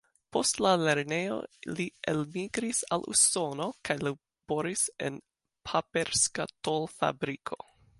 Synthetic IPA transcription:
po̞stlale̞ɾne̞jo̰lielmiɡɾisalṵso̞nokʰajla | b̥oɾisḛn | pʰapeɾskatolfa̰bɾikʰo̞̰

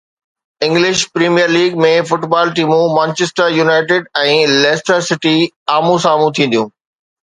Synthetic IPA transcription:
ɪ̃ŋɡlɪʃpɾiːmijəɾliːɡ̚mẽfʊʈbaːlʈiːmũmə̃ːnt͡ɕɪsʈəɾjunaːɪʈɪɖɛ̃ːlɛːsʈəɾsɪʈi | aːmũsaːmũt̪ʰĩːnd̪jũː

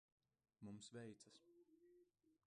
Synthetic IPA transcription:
mumsvɛjt̪sɐs

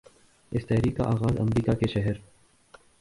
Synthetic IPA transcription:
ɪst̪ɛɦɾiːkːa̰ʔaːɣaːzɐ̰mɾiːkakeʃɛɦəɾ

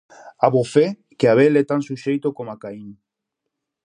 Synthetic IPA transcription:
aβofe | keaβelet̪ansuʃejt̪okomakain

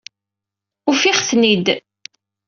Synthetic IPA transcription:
ufiχθnid̪

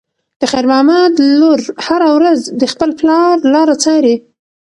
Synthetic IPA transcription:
d̪̥əxajɾmɑmad̪loɾhaɾawɾazd̪əxpəlplɑɾlɑɾat͡sɑɾi

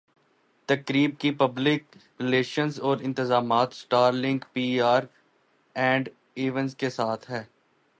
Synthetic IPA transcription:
t̪ɐkɾiːb̚kipɐblɪkɾɪleːʃənzɔːɾɪ̃nt̪ɪzaːmaːt̪sʈaːɾlɪ̃ŋɡkpiːaːɾ | ɛ̃ːɳɖ | iːʋə̃nskesaːt̪ʰɦɛː

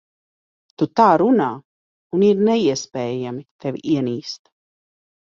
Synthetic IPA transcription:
t̪ut̪aːɾunaː | uniɾnɛiɛspɛːjamit̪ɛvʲḭʔiɛniːst̪

